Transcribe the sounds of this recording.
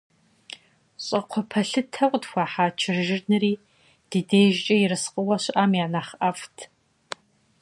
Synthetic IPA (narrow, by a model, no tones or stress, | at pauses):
ɕʼɐqʷʰɔpʰɐɬɨtʰɐkʷʼdxʷaːħaːt͡ʃʰɪrʒɪrnɨriː | d̥iːdeːʒt͡ʃʼɐjɪɾɨsqʼəwɐɕʔaːmjaːnaːχʔɐftʰ